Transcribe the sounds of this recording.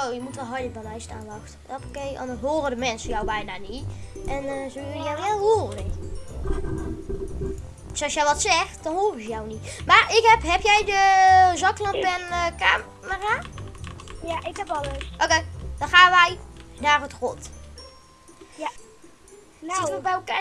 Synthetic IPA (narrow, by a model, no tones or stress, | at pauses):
owjəmutʋɔlˠɦɔjdɪkbamɛjsta̰ːnlɔxt | opokejʔɔ̰ndəɦoːrədəmɛnsənjawbɛjnaniʔɛnzoʋɪləjɛwʋɛlˠhoːrə | sɔsjɛjʋɔtsɛxtd̥ɔnhoːrɪzəjawnimarɪkhɛpɦɛpjɛjdəzɔklɔnbɛnkaː | məra | jaɪkɛpɔləsʔoked̥ɔnxaːnʋɛjnaːrətrot | əbɛoka